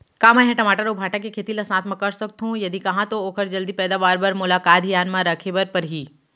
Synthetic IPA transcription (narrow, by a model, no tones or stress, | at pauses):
kaːmaɦẽʈɐmaːʈəɾobʱaːʈãkekʰeːt̪ilɐsãːt̪ʰmɐ̃kɐɾsɐk̚t̪ɦũjɐd̪ikɐɦãt̪ooːkʰəɾd͡ʒɐld̪ipɛːd̪aːʋaːɾbɐɾmʊlaːkaːt̪jaːnmãɾɐkʰebəɾpɐɾɦiː